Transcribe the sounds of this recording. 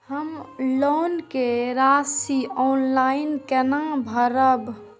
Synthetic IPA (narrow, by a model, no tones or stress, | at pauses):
həmloːnkeɾasiɔnlainkɛnãbʱəɾəb